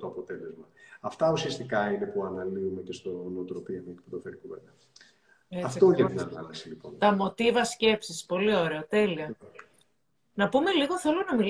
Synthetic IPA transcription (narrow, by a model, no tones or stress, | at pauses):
t̪oɐpo̞t̪e̞lezmɐɐft̪ɐusiɐst̪ikɐine̞puɐnɐliumecest̪onot̪ɾopiɐmeci̥pd̪ofeɾikuvenɐ | eɐft̪oet̪inɐnɐ̰lɐsilipont̪ɐmo̞t̪ivɐsce̞psispo̞lio̞ɾe̞ot̪e̞liɐ | nɐpume̞liɣo̞θelonɐmil